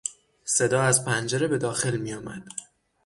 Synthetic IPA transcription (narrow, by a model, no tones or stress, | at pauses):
se̞d̪ɒːæzpʰænd͡ʒeɾe̞be̞d̪ɒːxe̞lmijɒːmæ̰d̪̥